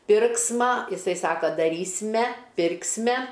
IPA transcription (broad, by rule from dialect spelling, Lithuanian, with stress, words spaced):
ˈpʲɪrksmɐ ɪˈsɐɪ ˈsɑːkɐ dɐˈrʲiːsʲmʲɛ ˈpʲɪrʲkʲsʲmʲɛ